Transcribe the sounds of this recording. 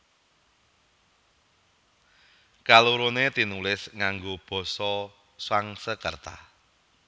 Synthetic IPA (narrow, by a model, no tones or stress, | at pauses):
kaluɾonet̪inulɪsŋaŋɡob̥ɔ̤sɔ | swaŋsəkərt̪a̰